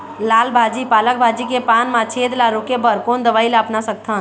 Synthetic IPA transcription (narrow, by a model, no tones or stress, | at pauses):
laːlbʱaːd͡ʒipaːlək̚bʱaːd͡ʒikepaːnmãt͡ʃʰeːd̪laɾokebəɾkoːnd̪əʋaːilaːpnasək̚t̪ʰã